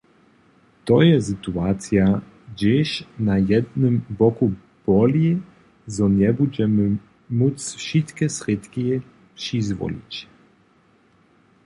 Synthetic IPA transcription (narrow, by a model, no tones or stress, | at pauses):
t̪ɔjɛsɨt̪uat̪sʲja | d͡ʑɛɕnajɛd̪nɘmbɔku | b̥ɔlʲi | zɔɲɛbud͡ʑɛmɘ | mut̪sfʃit̪kʲɛsɾɪt̪kʲi | pʂizvɔ̰lʲḭt͡ɕ